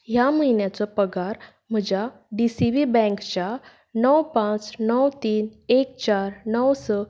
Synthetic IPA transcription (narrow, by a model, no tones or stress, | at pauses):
jaməinjat͡sɔpəɡaɾ | m̤əd͡ʑa | ɖisiʋibɛ̃ŋkt͡ɕa | nəwpãt͡snəwt̪iːnek̚t͡ɕaɾnəwsə